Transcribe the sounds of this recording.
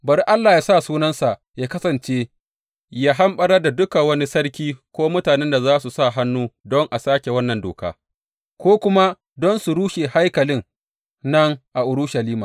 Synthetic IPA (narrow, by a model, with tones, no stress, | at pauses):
bɐ˨ɾi˦ʔa˦lːaː˨jaː˦sa˦˨suː˦nɐ˦nsa˨ʔ | jaː˦kɐ˦sɐ˨nt͡ʃeː˦ | jaː˦ɦa˦mɓɐ˦ɽɐ˦rda˨dʊ˦ka˨wɐ˦ni˦sɐ˦rkʲiː˦kʷoː˦mʊ˦taː˨nɛ˦nda˨zaː˦su˨sa˦˨ɦa˦nːuː˦dɔ˦ŋʔa˨saː˦kʲe˨wɐ˦nːɐ˨ndoː˨ka̰ː˦ | kʷoː˦kʷʊ˦ma˦ | dɔ˦nsu˨ɾuː˦ʃe˨ha˦jkɐ˨lɪ˦ŋ | nɐ˦ŋʔa˨ʔʊ˨ɾʊ˦ʃɐ˨liː˦maː˨